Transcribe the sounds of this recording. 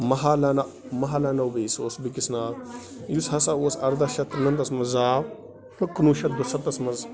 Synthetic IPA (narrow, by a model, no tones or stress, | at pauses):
maɦalana | maɦalanawbəsosbikisna | jushasawosaɾd̪aʃat̪ɾnant̪asmaza | həkːənuʃat̪̚dosat̪ːasmaz